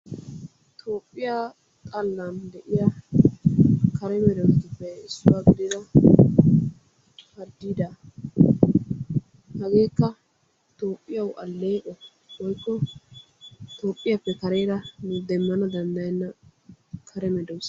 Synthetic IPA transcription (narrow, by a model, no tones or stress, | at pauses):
t̪ʰoːpʼːɪja | t̪ʼɐlːand̪ɛʔɪjɐ | kʰɐɾɛmɛd̪ɔwt̪ɪpːɛɪsːʊwaːɡɪd̪ɪd̪ɐ | hɐɾd̪ːiːd̪ɐ | hɐɡe̞ːkːɐ | t̪oːpʼːɪjɐwʔɐlːeːʔɔ | wɔjkːɔ | t̪o̞ːpʼːɪjapːɛkɐɾe̞ːɾɐnʊd̪ɛmːɐnɐd̪ɐnd̪ɐjɪnːɐ | kʰɐɾɛmɛd̪ɔws